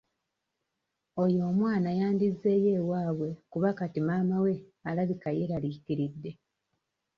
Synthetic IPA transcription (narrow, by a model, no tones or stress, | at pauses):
ojo̞ːmwaːnajaːndizːe̞ːje̞ːwaːβwe̞kuβakatimaːmawe̞alaβikaje̞ɾalikiɾidːe̞